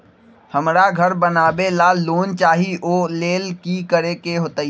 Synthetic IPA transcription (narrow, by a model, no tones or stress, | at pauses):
həmɾaɡʱəɾbənaːbelaːlːoːnt͡ʃaːɦiʔoːleːlkikəɾekeɦoːt̪aːi